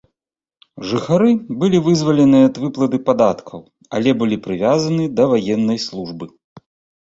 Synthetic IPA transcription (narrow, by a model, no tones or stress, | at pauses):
ʐɨxaɾɨbɨlʲivɨzvɐlʲɛnɨjɛɐd̪vɨplˠɐd̪ɨpad̪at̪kʰɐw | ɐ̰lʲɛbɨlʲipɾɨvʲazɐnɨd̪ɐvajɛnːɐjslˠuʐbɨ